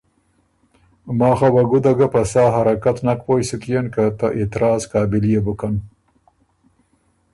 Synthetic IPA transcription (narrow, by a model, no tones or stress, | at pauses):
mɑːxawaɡud̪aɡapasɑːɦaɾakat̪nakpojsukijenkat̪aʔɪt̪ɾɑːzkɑːbɪljebukan